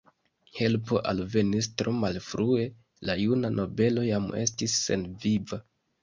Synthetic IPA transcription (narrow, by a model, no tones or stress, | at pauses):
he̞lpo̞ʔalve̞nistɾo̞malfɾue̞ | lajunanʔo̞be̞lo̞jame̞̰stisːe̞̰nviva